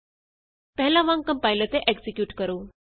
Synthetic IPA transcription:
pɛɦlãʋãŋkəmpajlət̪eʔeksikjuːʈkəɾoː

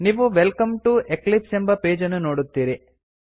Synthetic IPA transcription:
niːʋuʋelkɐmʈueklipsembɐpeːd͡ʒɐnːuno̞ːɽut̪ːiːɾi

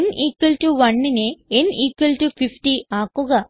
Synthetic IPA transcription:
niːkwɐlʈuʋɐnːineeniːkwɐlʈufifʈiaːkuɣɐ

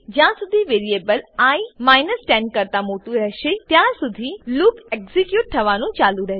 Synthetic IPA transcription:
d͡ʒãːsʊd̪ʱiʋeːɾieːbəlaimaːɪnəsʈɛ̃ːɳɖ̚kəɾt̪amoːʈ̪uɾəɦʃet̪jãsʊd̪ʱilʊkekzikjuːʈ̚t̪ʰɐʋanũt͡ʃaːlũɾəɦ

